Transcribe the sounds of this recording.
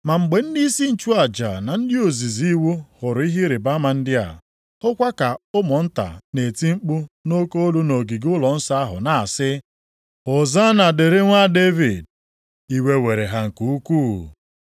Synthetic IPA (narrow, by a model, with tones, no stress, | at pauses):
ma˨ŋ͡m̩˨ɡ͡be˨n̩˦di˦si˦n̩˨t͡ʃu˦a˨d͡ʒa̰˨na˨n̩˦dɪ˦o˨zi˨zi˦wu˦hʊ˨ɾʊ˨i˦ɦi˦ɾɪ˨ba˦ma˨n̩˦dɪ˦a̰˨ | hʊ˦kʷa˦ka˨ʊ˦mɔ˨n̩˦ta̰˨ne˨ti˦ŋ͡m̩˦k͡pʊ˦no˦ko˦lu˦no˨ɡi˨ɡʊ˦lɔ˨n̩˦sa˦a˦ɦʊ̰˨na˨a˨sɪ˦ | ʊ˨za˦na˨de˨ɾe˦ŋʷa˦de˦vi˨d̚ | i˦we˦we˨ɾe˨ɦa˦ŋ̩˨ku˨u˦kuː˦˨